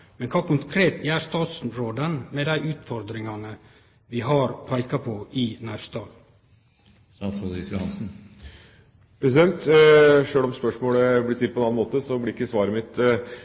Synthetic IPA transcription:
mɛnkʰɑːkʊŋkʰɾeːt̪æst̪ɑːt̪sɾoːd̪ənmed̪æɪʔʉːt̪fɔɾd̪ɾɪŋɑnə | ʋɪɦɑɾpʰɑɪkɑpʰoʔɪnæst̪ɑː | ɑsɑd̪ɾɪsjʊhɑnsn̩ | pʰɾɛsɪd̪ɛnt̪ʂøːlɔmspœʂmoːləblɪsɪd̪pʰɔɛnɑːnmoːt̪əsɔblɪɾɪkːəsʋɑːɾəmɪt̪

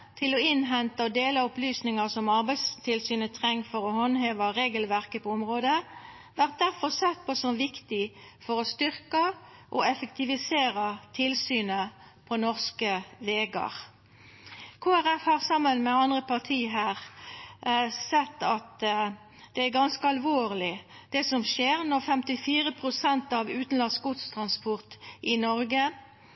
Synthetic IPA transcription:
t̪ʰɪlɔɪnɦɛnt̪əɔd̪eːlɑʊplyːsnɪŋəʁsɔmɑʁbæɪst̪ʰɪlsyːnət̪ʰʁɛŋːfɔɾɔhɔnheːʋəʁeːɡəlʋæʁkəpʰɔʊmʁoːd̪ə | ʋæʁt̪̚d̪æʁfɔʁsɛt̪̚pʰɔsɔmʋɪkt̪ɪ | fɔʁɔst̪ʏʁkə | ʔɔɛfəkt̪ɪʋɪseːʁɑt̪ʰɪlsyːnə | pʰɔnɔʁskəʋeːɡɑ̰ʁ | kʰoːæɾɛfhɑʁsɑmːənmɛɑnd̪ʁəpɑʁt̪ʰiːɦæːʁ | sɛt̪ːɑt̪ | d̪̥ɛæɾɡɑnskəɑlʋoːʁlɪd̪̥ɛsɔmʃeːʁnɔʁfɛmt̪ɪfiːɾəpʰʁʊsɛnt̪ɑʋʉːt̪n̩lɑns̚ɡʊt̪st̪ʰʁɑnspɔʁt̪ʔɪnɔɾɡə

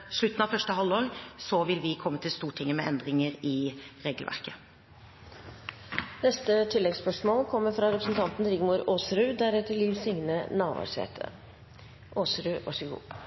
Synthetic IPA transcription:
ʂɭʉt̪nɑfœʂʈəhɑlːoːɾsɔʋɪlʋɪkʰɔmːət̪ʰɪlst̪uːʈʰɪŋːəmɛʔɛnd̪ɾɪŋəɾɪɾeːɡəlʋæ̰ɾkə | nɛst̪ət̪ʰɪlːɛɡspœʂmoːlkʰɔmːəɾfɾɑɾɛpɾəsn̩t̪ʰɑnt̪n̩d̪ɾɪɡmuːɾoːsɾʉːd̪æɾɛt̪ːəɭiːʋsɪŋnənɑːʋɑ̰ʂɛ̰ːt̪ʰə̰ | ʔoːsɾʉːʋɑ̰ʂəɡṵː

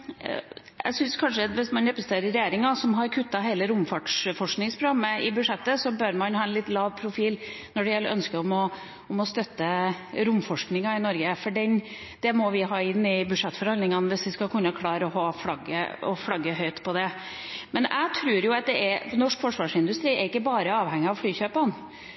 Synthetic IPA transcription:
æ̰ɪsʏnskʰɑnʂəʋɪsmɑnːɛpɾəst̪eːɾəɾɛjeːɾɪŋɑsɔmɦɑɾkʰʉt̪ːɑɦeɪləɾʊmfɑʈʂfɔʂknɪŋspʰɾʊɡɑmːəɪbʉʂɛt̪ːəsɔbœɾmɑnhɑːɛnlɪt̪ːlɑːʋpʰɾʊfiːlnɔɖɛjɛlːəʔœ̰nskəɾɔmɔ | ɔmɔst̪œt̪ːəɾʊmːfɔʂknɪŋɑɪnɔɾɡəfɔɖɛn | d̪ɛmɔʋɪɦɑːɪnːɪbʉd̪ʂɛt̪ːfɔɾhɑnd̪ɪŋɑnʋɪsʋɪskɑkʰʉnːəkʰlɑːɾɔɦɑːfɽɑɡə̰ɔfɽɑɡːəɦœʏt̪pʰɔd̪ɛ | mɛnæ̰ɪt̪ʰɾʉːɾjʊɑt̪̚d̪ɛʔɛnɔʂkfɔʂʋɑːʂɪnd̪ʉst̪ɾiːɛɾɪkːəbɑːɾəɑːʋhɛŋːɪɑʋfɽyːçøːpən

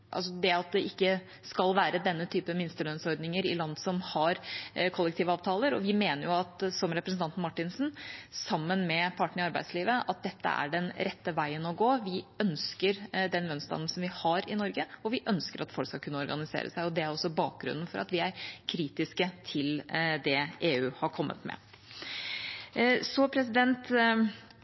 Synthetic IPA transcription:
ʔɑ̰lsɔd̪ɛɑt̪̚d̪ɛʔɪkːə | skɑlʋæːɾəd̪ɛnːət̪ʰyːpəmɪnst̪əlœnsɔɾd̪nɪŋəɾɪ̰lɑnd̪sɔmhɑɾkʰɔlːɛk̚t̪iːʋəɑːʋt̪ʰɑːləɾɔ̰ʋɪmeːnəɾjʊɑt̪sɔmɾɛpɾəsn̩ɑnt̪nmɑʈːɪnsn̩sɑmːənmɛpʰɑʈɳəɳɪɑɾbæɪsliːʋəʔɑt̪̚d̪ɛt̪ːə̰æ̰ɖɛnɾɛt̪ːəʋæɪənɔɡoːʋɪœnskəɾd̪ɛnʋœnst̪ɑ̰nn̩sɔnʋɪhɑɾɪnɔɾɡəɔʋɪʔœnskəɾɑt̪fɔlkskɑkʉnːəɔɾɡɑnɪsḛːɾə̰sæɪɔd̪ɛæɾɔsːɔbɑːk̚ɡɾʉ̰nːn̩fɔɾʔɑ̰t̪ʋɪæɾkʰɾiːt̪ɪskət̪ʰɪld̪ɛeːʉːhɑɾkʰɔmːə̰t̪mɛ̰ | sɔpʰɾɛs̬ɪd̪ɛnt̪

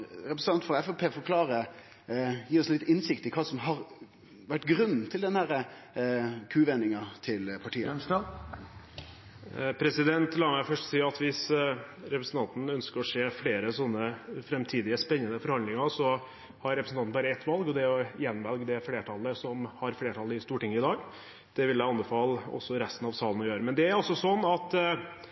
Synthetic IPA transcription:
ɾɛpɾs̩ɑnt̪fɔɛfɛpʰeːfɔɾkʰlɑːɾə | jiːɔslɪt̪ːɪnsɪkt̪ɪkʰɑːsɔmɦɑɾ | ʋæʈːɡɾʉnn̩t̪ʰɪld̪ɛnhæɾə | kʰʉːʋɛnːɪŋɑt̪ʰɪlpʰɑʈʰiːə | pʰɾɛsɪd̪ɛnt̪lɑːmæɪfœʂʈsiːɑt̪ʋɪs | ɾɛpɾəsn̩t̪ɑnt̪n̩œnskəɾɔʂeːfɽeːɾəsɔnːəfɾɛmt̪ʰiːd̪ɪəspɛnːənəfɔɾhɑnd̪lɪŋɑɾsɔ | hɑɾɛpɾəsnɑt̪nbɑːɾəɛt̪ːʋɑlɡɔd̪ɛɔjɛnːʋɛlɡd̪ɛfleːʈʰɑlːəsɔmhɑɾfleːʈʰɑlːəɪst̪uːʈɪŋːəɪd̪ɑːɡ | d̪̥ɛʋɪljæɪɑnbəfɑːlɔ̰sːɔɾɛst̪ənɑʋsɑːlənɔjøːɾəmɛnd̪ɛæɾɔsɔsɔnːɑt̪

